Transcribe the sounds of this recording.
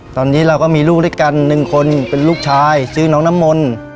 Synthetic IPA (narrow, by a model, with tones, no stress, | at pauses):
t̪ɔː˧nːiː˦˥ɾa˧wkɔː˥˩miː˧luː˥˩dɯː˥˩jka˧nːɯ˨˩ŋkʰo˧npe˧nluː˥˩k̚t͡ɕʰaː˧jsɯː˦˥nɔː˦˥ŋna˦˥mːo˧n